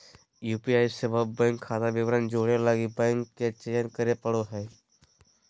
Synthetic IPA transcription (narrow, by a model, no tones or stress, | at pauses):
juːpiaːisebəbːɛ̃ːŋkʰːaːt̪aʋɪʋɾand͡ʒoːɽelaːɡibɛ̃ːŋkːet͡ʃejənkəɾepɐɽoɦɛː